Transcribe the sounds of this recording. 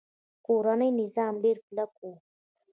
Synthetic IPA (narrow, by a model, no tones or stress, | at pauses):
kuɾanajnɪzaːmbɪɾklaku